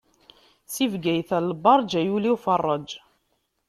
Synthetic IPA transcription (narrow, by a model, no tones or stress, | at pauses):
sivɡæjθælbɑɾˤd͡ʒæjuliwfɑrˤːəd͡ʒ